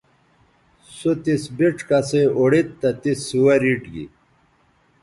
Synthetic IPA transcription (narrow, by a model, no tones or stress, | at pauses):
sut̪isbiʈ͡ʂkɐseoɽit̪ːɐt̪isuwɐɾiʈɡḭ